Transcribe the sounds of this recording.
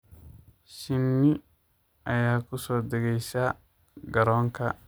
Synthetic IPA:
ʃinːi | ajaːkusɔdaɡejsa | ɡaɾɔŋka

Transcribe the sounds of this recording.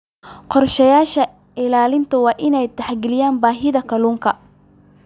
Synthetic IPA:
qɔrʃɐjaːʃɐ | ɪlaːlɪnt̪ʰɐwɑːʔɪnɛjt̪ʰɛħɡɛlɪjaːnbaːɦɪðɐkʰɐluːŋkʰɐ

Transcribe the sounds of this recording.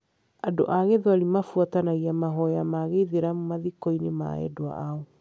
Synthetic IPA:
ado̰ʔaɣeðwaɾimafuatanaɣiamaɦɔjamaɣeðeɾamumaðikoinema̰ɛ̰doa̰ʔao

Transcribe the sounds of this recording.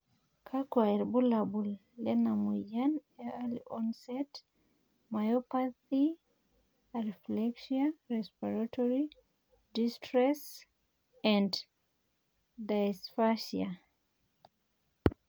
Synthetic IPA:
kʰakwaɛɾbulabulː | ɛnamujanɛalḭʔɔnsɛt | majɔpaθi | ɹiflɛkʃiaɹɛspiɹatʰɔɹi | distɹɛs | ãnd | dajsfaʃia

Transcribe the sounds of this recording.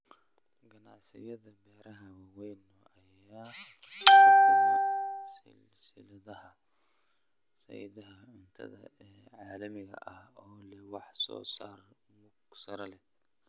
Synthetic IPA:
ɡɐnɑʕsɪ̰jɐðɐbɛːɾɐɦɐwɑːwɛjnːɔʔɐj | aː | sɪ̰l | sɪlɐðɐhɐ | sɐ̰jḭðɐɦɐ | ʊnt̪ʰɐ̰ðɐ̰ɛː | ʕɑːlɐmɪɣɐ̰ʔɐhɔːlɛwɑħsɔ̰ːsaːrmʊɡsɐɾɐlɛ

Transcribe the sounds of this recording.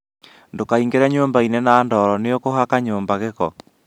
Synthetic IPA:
ndokaiŋɡeɾɛɲoːmbainɛnaːndɔːɾɔneokohakaɲoːmbaɣeɣɔ̰

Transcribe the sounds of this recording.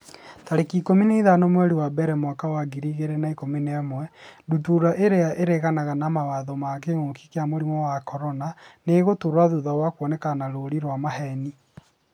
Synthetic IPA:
taɾekikomineiðanomwɛɾiwabɛɾɛmwakawaɡiɾiɣeɾenaikominɛmwɛdutuɾaʔeɾeaʔeɾeɣanaɣanamawaðɔmak̬emoki̥keamoɾimɔwakɔɾɔnaneɣotoɾwaðuðawakwɔnɛkanaɾoɾiɾwamaɦɛni

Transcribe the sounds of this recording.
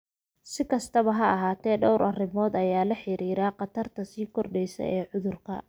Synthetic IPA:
sɪkʰɐst̪ʰɐβɐɦɐɐɦaːt̪ʰɛːɖɔwɾʔɐrɪmɔːd̪ɐjaːlɐħɪɾiːɾaːqɑt̪ʰɐrt̪ʰɐsiːkʰɔrɖɛjsɐ̰ʔɛːʕʊðʊrkʰɐ̰

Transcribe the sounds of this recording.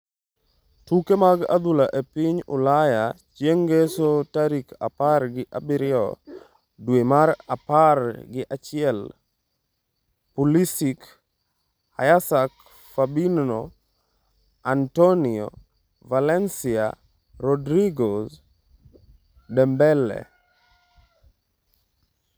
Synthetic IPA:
tukemaɡa̰d̪ulaʔepiɲʊ̰lajat͡ʃjeŋɡesotaɾikaparɡɪʔabɪɾɪɔ̰ | dwemaɾaparɡɪʔat͡ʃɪɛl | pulisik | a̰jasak | fabinːo | antoniɔ̰ | valɛnsia̰ | ɾɔdɾiɡos | dɛmbɛlːɛ̰

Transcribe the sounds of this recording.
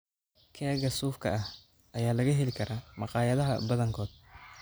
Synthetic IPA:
kʰɛːɣɐsuːfkʰɐ̰ʔɐh | ɐjaːlɐɣɐɦɛlɪkʰɐɾaːmɑqɑːjɐðɐɦɐ̰bɐðɐŋkʰɔːd̪̥̚

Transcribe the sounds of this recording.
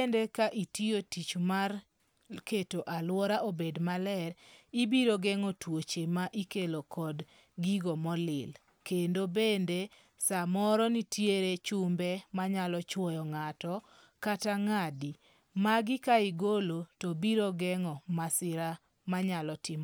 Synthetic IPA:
endekaʔitiotit͡ʃmar | ketoʔalwɔɾaʔobedmalɛɾibiɾoɡɛŋɔtwot͡ʃemaʔikelokɔd | ɡiɡɔmɔlɪ̰l | kendobende | samɔɾɔnitjeɾet͡ʃʊmbemaɲalɔt͡ʃwɔjɔŋatɔ | kataŋadi | maɡɪkaɪɡolotɔbiɾoɡɛŋɔmasɪɾa | maɲalɔtɪm

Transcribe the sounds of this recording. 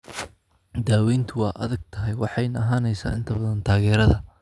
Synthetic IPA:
d̪aːwɛjnt̪ʰʊwɑːʔɐ̰ðɐɡ̚t̪ʰɐɦɛjwɑħɑjnɐɦaːnɛjsa̰ːʔɪnt̪ʰɐbɐðɐnt̪ʰaːɣɛːɾɐðɐ

